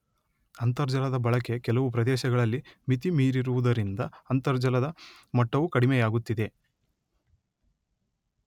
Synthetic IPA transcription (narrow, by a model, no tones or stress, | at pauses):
ɐnt̪ɐɾd͡ʒɐlɐd̪ɐbɐɭɐke̞kɛlɐʋup̬ɾɐd̪ɛːʃɐɡɐɭɐlːimit̪imiːɾiɾuʋud̪ɐɾind̪ɐɐnt̪ɐɾd͡ʒɐlɐd̪ɐmɐʈːɐʋukɐɽimɛjaːɡut̪ːid̪e̞